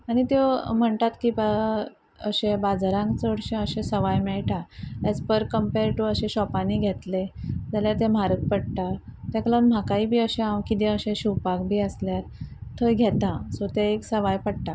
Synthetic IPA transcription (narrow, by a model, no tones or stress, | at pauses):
aɽ̃it̪em̤əɳt̪at̪kiba | ə̰ɕẽbad͡zɾãŋkt͡səɽɕẽəɕẽsəʋajmɛɭʈaet͡spəɾkəmpeɾʈuəɕẽɕɔpaniɡʱet̪led͡zaljaɾt̪ẽm̤aɾək̚pəɽt̪at̪jaklam̤akaiːbʱiːəɕẽãwkid̪ẽəɕẽɕuwpakbʱiːəsljaɾt̪ʰəɡʱɛt̪asot̪eeksəʋajpəɽʈ̪a